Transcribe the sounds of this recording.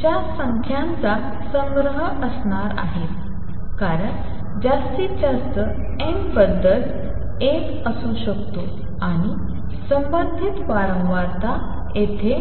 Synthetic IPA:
t͡ɕjasəŋkʰjãnt͡sa | sə̃ŋɡɾəɦə | əsɳaɾa̰ɦet̪ | kaɾəɳ | d͡ʑast̪id͡ʑast̪ə | embəd̪ʱːəl | ek | əsuɕəkt̪o | aɽ̃i | səmbənd̪ʱit̪ʋaɾəŋʋaɾt̪a | et̪ʰe

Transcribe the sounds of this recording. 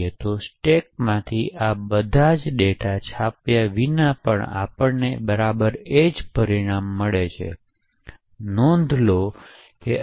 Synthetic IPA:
et̪osʈek̚mãt̪ʰiʔabəd̪ʱad͡ʒɗeʈat͡ʃʰapjaʋinapəɳa̰pəɳnebəɾabəɾed͡ʒpəɾiɽ̃amːəɭet͡ʃʰḛ | nɔ̃nd̪ʱlo | ke

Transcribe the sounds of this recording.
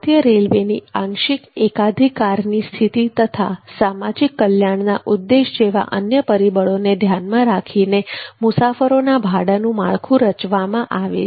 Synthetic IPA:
t̪jəɾelʋenḭãŋʃɪkekad̪ʱikːaɾnist̪ʰit̪it̪ət̪ʰa̰samad͡ʒikːəljaɳnaʔud̪ːeʃd͡ʒeʋa̰ʔənjəpəɾibəɭoned̪ʱjanmãɾakʰinemʊsafəɾonabʱaɽanũmaɭkʰũɾət͡ʃʋamãʔaʋḛ

